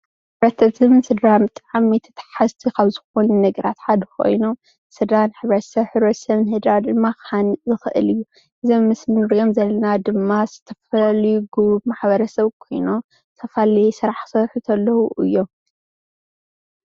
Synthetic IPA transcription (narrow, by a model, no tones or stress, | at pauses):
bɐt̪ʰɐɨmɨnsɨd̪ɾamɨt̪ʼʕamit̪ʰɐ̥t̪ʰħazt̪ʰikɐβzɨxo̞nunɐɡɐɾat̪ħad̪ɐkʰo̞̰jnom | sɨd̪ɾanħɨβɾɐt̪sɐβħɨβɾɐt̪sɐβnhɨd̪ɾad̪ɨmːakanɨzɨxɨʔɨ̰lɨjːu | ʔɨzɐmːɨsmɨɨɾjomzɐlːɐnad̪ɨmːaz̥ɨt̪ʰɐfɐljuɡumaħbɐɾɐsɐβkʰo̞jno | t̪ʰɐfalɐjsɨɾaħsɐɾħut̪ʰɐlːɐhuʔɨjːo̞